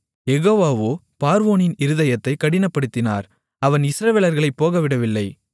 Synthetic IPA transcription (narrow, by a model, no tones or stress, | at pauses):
jɛɣoːʋaːʋoː | paːɾʋoːnɪnɪɾɯðɐjɐt̪ːɐɪkːɐɽɪnɐpːɐɽɯt̪ːɪna̰ːɾ | ɐʋɐnɪsɾɐʋeːlɐɾɣɐɭɐɪpːoːɣɐʋɪɽɐʋɪlːɐɪ